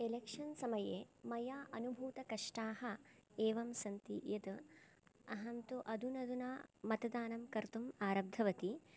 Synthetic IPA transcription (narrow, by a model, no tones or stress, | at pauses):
elekʂɐnsɐmɐjeːmɐjaːʔɐnubʱuːt̪ɐkɐʂʈaːhɐeːʋɐmsɐnt̪ḭjɐd̪ | ɐɦɐnt̪uʔɐd̪ʱunɐd̪unaːmɐt̪ɐd̪aːnɐmkɐɾt̪umaːɾɐb̚d̪ʱɐʋɐt̪i